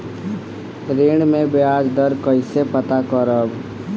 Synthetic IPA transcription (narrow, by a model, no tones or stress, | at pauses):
ɾeːɽ̃mẽbeaːd͡ʒd̪əɾkəɪsepət̪akəɾəb